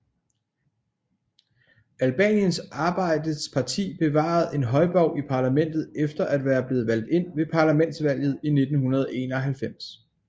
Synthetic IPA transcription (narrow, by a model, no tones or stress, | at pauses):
ælb̥ɛ̰ːnjənsʔɑ̈ːb̥ɑ̈ɪ̰d̥əspʰɑ̈t͡sʰḭːb̥e̝ʋɑ̰̈ð̞̩ˠe̝nɦɒ̽ɪb̥ɒʊ̰ipʰɑ̈ːlæmen̰d̥ð̩ˠefd̥ɐʔæd̥ʋæːɐb̥le̝ːð̩ˠʋæl̰d̥e̝n̰ʋe̝pʰɑ̈ːlæmen̰d̥sʋæl̰jð̩ˠine̝d̥n̩hunɐð̞ˠe̝ːnɒ̽ɦælfem̰s